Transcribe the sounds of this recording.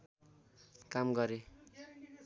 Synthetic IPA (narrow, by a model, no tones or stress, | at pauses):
kamɡʌɾe